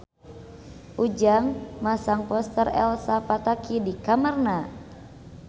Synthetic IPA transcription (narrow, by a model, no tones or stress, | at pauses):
ʔud͡ʒaŋmasaŋpɔst̪ərɛ̰lsapat̪akidikamərna